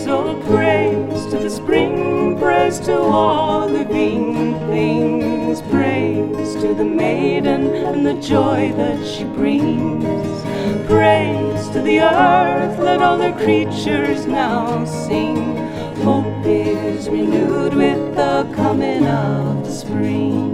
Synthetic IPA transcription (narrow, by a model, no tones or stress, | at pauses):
soʊpʰɹ̥eɪz̥tʰɨðɨspɹɪ̃ŋpʰɹ̥ɛz̥tʰəɔlˠðɨbĩŋnθɪ̃ŋz̥pʰɹ̥eɪz̥tʰɨðɨmeɪdⁿn̩ɨ̃nðɨd͡ʒɔɪðɨtʃibɹɪ̃ŋz̥ | b̥ɹeɪnz̥tʰɨðiɜ˞θlɨɾɔlˠðə˞kʰɹ̥it͡ʃə˞znaʊsĩŋ | foʊpɪzɹɨnʉd̚wɪðəkʰʌmɪ̃ŋʌvðɨspɹɪ̃ŋ